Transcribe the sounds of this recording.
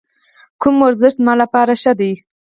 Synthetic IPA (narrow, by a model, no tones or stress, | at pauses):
kʊmoɾzɪʃt̪mɑlapɑɾaʃad̪ij